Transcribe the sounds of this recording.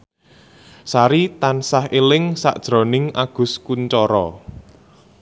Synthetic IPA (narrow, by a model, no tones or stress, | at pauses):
saɾit̪ansahelɪŋsa̰ʔd̥ʒ̥ɾo̤nɪŋaɡ̥ʊ̤skuɲt͡ʃɔɾɔ